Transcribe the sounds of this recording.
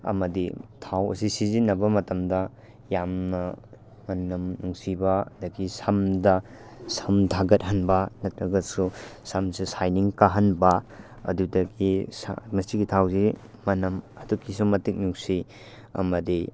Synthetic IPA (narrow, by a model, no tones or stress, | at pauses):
ɐ̰mɐditʰawɐ̰sisizinɐbɐmɐtɐmdɐ | jamnɐ | mɐnɐmnuŋsibɐɐ̰dɐɡisɐmdɐ | sɐmtʰaɡɐt̚hɐnbɐnɐt̚ɾɐɡɐsusɐmsisajniŋkaɦɐnbɐ | ɐ̰dudɐɡismɐstiɡitʰawsi | mɐnɐmɐdukːisumɐtik̚nuŋsi | ɐ̰mɐdi